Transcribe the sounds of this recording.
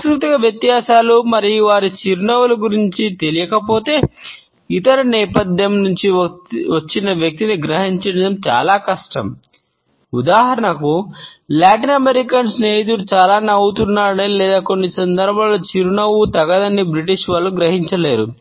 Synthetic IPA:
sɾut̪ɐɡɐʋjɐt̪jaːsaːlumɐɾijʋaːɾit͡ʃiɾunɐwulɐɡuɾiɲt͡ʃit̪e̞lijɐkɐpo̞ːt̪e̞ː | it̪ɐɾɐnɛːpɐd̪jɐmnuɲt͡ʃiʋɐt͡ʃːinɐʋjɐk̚t̪iniɡɾɐɦiɲt͡ʃɐnid̪ɐmt͡ʃa̰ːlaːkɐʂʈɐm | ud̪aːɦɐɾɐɳɐkulaːʈinɐmeɾikɐnsneːjit̪̬ulut͡ʃaːlaːnɐwut̪unːaːɾɐnilɛːd̪aːko̞nːisɐnd̪ɐɾbʱaːloːt͡ʃiɾunɐwut̪ɐɡɐd̪ɐnːibɾiʈiʂʋɐlːuɡɾɐɦiɲt͡ʃɐleːɾu

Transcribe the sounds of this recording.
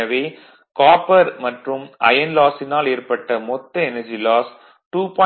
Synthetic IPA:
ɐʋeː | kaːpɐɾmɐʈrɯmʔɐ̰jɐnlaːsɪnaːleːɾpɐʈːɐmɔt̪ːɐɛnɐd͡ʒilaːs | ʈuːpɔː

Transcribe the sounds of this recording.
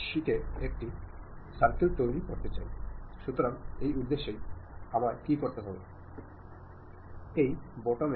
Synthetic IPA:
ʃiʈʰeek̚ʈisaɾkelt̪ojɾikoɾt̪et͡ɕa̰jʃut̪oɾaŋejuɾd̪ːeʃːejamaɾkikoɾt̪eɦɔbe | ejbɔʈome

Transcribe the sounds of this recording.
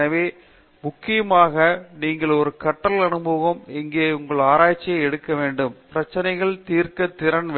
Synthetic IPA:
ɐʋeː | mʊkːɪjɐmaːɣɐniːŋɡɐɭɔɾɯkɐʈːɐlɐnɯbɐʋɐmɛŋɡeːʊŋɡɐɭaːɾaːjt͡ʃːɪjɐɛɽɯkːɐʋeːɳɖɯmpɪɾɐt͡ʃːɐnɐɪɣɐɭt̪iːɾkɐt̪ːɪɾɐnʋ

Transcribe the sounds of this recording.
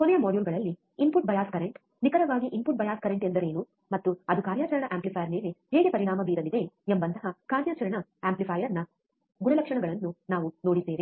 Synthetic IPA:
kɔnɛjɐmoːɖjuːlɡɐɭɐlːi | impuʈ̚bɐjaːskɐɾeɳʈ | nikɐɾɐʋaːɡiʔimpuʈ̚bɐjaːskɐɾeɳʈend̪ɐɾeːnu | mɐt̪ːuɐd̪ukaːɾjaːt͡ʃɐɾɐɳɐʔaːmplipʰɐjɐɾneːleheːɡepɐɾiɳaːmɐbiːɾɐlid̪e̞embɐnd̪ɐɦɐkaːɾjaːt͡ʃɐɾɐɳɐeːmplipʰɐːjɐɾnːɐ | ɡuɾɐlɐkʂɐɳɐɡɐɭɐnːunaːʋunoːɽiseːɾi

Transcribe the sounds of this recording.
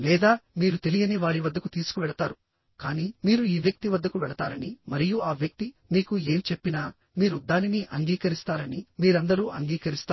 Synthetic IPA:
lɛːd̪aːmiːɾut̪e̞lijɐniʋaːɾiʋɐd̪ːɐkut̪iːsu̥kuʋɛɭɐt̪aːɾu | kaːniːmiːɾuiːʋjɐk̚t̪iʋɐd̪ːɐkuʋɛɭɐt̪aːɾɐnimɐɾijuaːʋjɐk̚t̪i | miːkue̞ːmt͡ʃe̞pːinaː | miːɾud̪aːniniʔɐŋɡiːkɐɾist̪aːɾɐnimiːɾɐnd̪ɐɾuːʔɐŋɡiːkɐɾist̪aː

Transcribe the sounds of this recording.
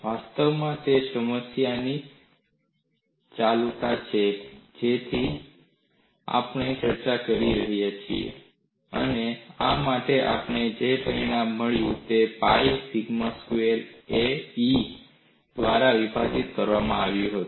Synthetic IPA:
ʋast̪əʋmãt̪esəməsjani | t͡ʃalut̪at͡ʃʰed͡ʒet̪ʰi | a̰pɳ̃et͡ʃəɾt͡ʃakəɾiɾəɦjat͡ʃʰḭḛ | ə̰neamaʈeʔa̰pɳed͡ʒepəinãmːəɭjũt̪epaifiɡməskueɾei | d̪̥ʋaɾaʋibʱad͡ʒit̪kəɾʋamãaʋjũɦət̪u

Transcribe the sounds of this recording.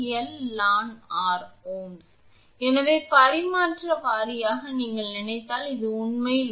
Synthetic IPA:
ɛlːaːnaːɾoːn | ɛnɐʋeːpɐɾɪmaːʈrɐʋaːɾɪjaːɣɐniːŋɡɐɭnɪnɐɪt̪ːaːlɪðɯʊɳmɐjl

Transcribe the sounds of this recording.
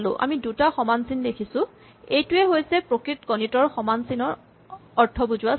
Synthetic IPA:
lʊ̰ʔa̰midutaxɔmansindekʰisʊ̃ | ejtʊɛɦojsɛpɹokɹitkɔnitɔɹxɔmansinɔɹ | ɔɹtʰːɔbuzʊa

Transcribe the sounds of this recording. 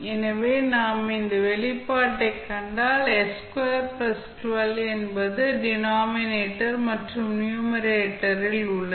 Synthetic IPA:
ɛnɐʋeːnaːmɪnd̪ɐʋɛɭɪpːaːʈːɐɪkːɐɳɖaːlɛskɐɾpɾɐsʈʋɐlɛnbɐðɯɖɪnaːmɪneːʈːɐɾmɐʈrɯmnjuːmɐɾeːʈːɐɾɪlʊɭːɐ

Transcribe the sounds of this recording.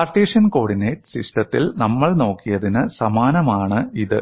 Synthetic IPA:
aːrʈeːʂjɐnko̞ːɽinɐjʈɨ̥siʂʈɐt̪ːilnɐmːɐɭno̞ːkːijɐðinɨsɐmaːnɐmaːɳɨiðɨ

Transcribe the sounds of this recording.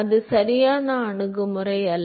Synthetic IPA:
ɐðɯsɐɾɪjaːnɐːɳɯɣɯmɯrɐɪɐl

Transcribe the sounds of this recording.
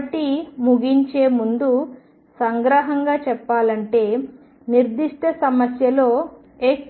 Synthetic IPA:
ʈimuɡiɲt͡ʃeːmund̪u | sɐŋɡɾɐɦɐŋɡaːt͡ʃɛpːaːlɐɳʈe̞ː | niɾd̪iʂʈɐsɐmɐsjɐlo̞ː | eːk

